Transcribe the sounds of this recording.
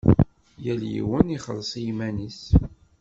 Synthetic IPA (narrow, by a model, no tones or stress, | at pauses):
jæljḭwəniχəlːsˤijimænis